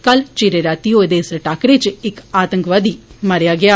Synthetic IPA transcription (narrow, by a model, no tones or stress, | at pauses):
kalt͡ʃiɾeɾaːt̪iːoːd̪eːsɾəʈaːkɾet͡ʃɪkaːt̪əŋkʋaːd̪iːmaɾjaːɡɪjaː